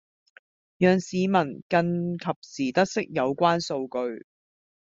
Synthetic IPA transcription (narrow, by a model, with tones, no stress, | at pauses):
jœː˨ŋsiː˨˧mɐ˨˩nkɐ˧nkʰɐ˨p̚siː˨˩t̪ɐ˥k̚sɪ˥k̚jɐ˨˧wkʷaː˥nso˧wkɵ˧ɥ